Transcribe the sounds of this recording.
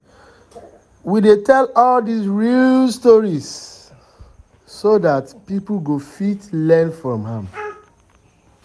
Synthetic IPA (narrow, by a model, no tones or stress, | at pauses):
widetʰɛlɔldisɹilstɔɹis | soðatpipl̩ɡofitlɛ̃nfɹɔ̃mhãm